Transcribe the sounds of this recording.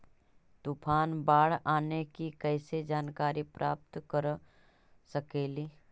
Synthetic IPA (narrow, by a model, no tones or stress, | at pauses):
t̪upʰaːnbaːɽaːnekikɛːsed͡ʒaːnkaːɾipɾʔaːp̚t̪kəɾ | səkeːliː